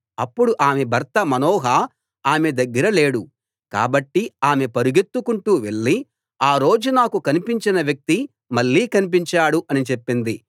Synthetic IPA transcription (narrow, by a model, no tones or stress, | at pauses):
ɐpːuɽuʔaːmebʱɐɾt̪ɐmɐnɔːɦɐ | aːmed̪ɐɡːɐɾɐle̞ːɽu | ka̰ːbɐʈːiaːme̞pɐɾuɡet̪ːukuɳʈuːʋe̞ɭːi | aːɾo̞ːd͡ʒunaːkukɐnipiɲt͡ʃinɐʋjɐk̚t̪i | mɐɭːiːkɐnip̬iɲt͡ʃaːɽuʔɐnit͡ʃe̞pːind̪i